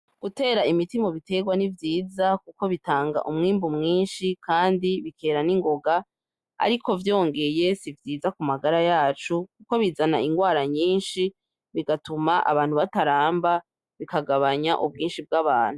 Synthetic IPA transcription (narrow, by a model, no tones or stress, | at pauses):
ɡ̥ute̞ːɾaimitimo̞βite̞ɡwanivjiːzakuko̞βitaːŋɡa̰ʔumŋiːmbumŋiːnʃikʰaːndiβikʰe̞ːɾaniŋɡo̞ɡa | a̰ɾikʰo̞vjo̞ːŋɡe̞je̞sivjiːzakumaɡaɾajaːt͡ʃukuko̞βizanaiŋɡwaːɾaɲiːnʃi | βiɡatumaʔa̰βaːn̥huβataɾaːmba | βikaɡaβaɲaʔubɡiːnʃib̚ɡaβaːn̥hu